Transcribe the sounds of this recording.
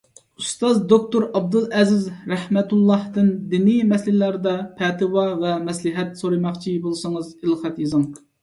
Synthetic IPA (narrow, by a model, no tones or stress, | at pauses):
ust̪ɑzd̪ok̚t̪oɾɑb̚d̪ɨlˠɛzɪzɾɛhmɛt̪ulˠːɑhd̪ɨnd̪inɪmɛslɪlæɾd̪ɛpʰɛt̪ɨwɑvɛmɛslɨɦɛt̪soɾɨmɑχt͡ʃʰibolˠsɨŋɨzelˠχæt̪jezɨŋ